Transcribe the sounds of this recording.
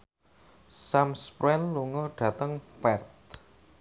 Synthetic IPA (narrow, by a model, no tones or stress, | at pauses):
samspɾɛnluŋɔɖ̥ä̤t̪əŋpɛrt̪̚